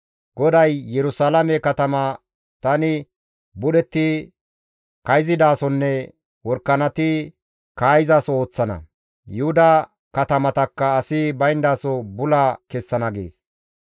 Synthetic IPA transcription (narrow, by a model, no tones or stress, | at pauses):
ɡɔd̪ɐjːɛɾʊsaːlɐmɛkɐt̪ɐmɐ | t̪ɐnɪ | bʊɗɛt̪ːɪ | kɐjzɪd̪aːsɔnːɛ | wɔɾkːɐnɐt̪ɪ | kaːjɪzaːso̞ːt͡sːɐnɐ̰ | jʊhʊd̪ɐ | kɐt̪ɐmɐt̪ɐkːɐːsɪbɐjnd̪aːsɔbʊlɐkɛsːɐnɐɡḛːs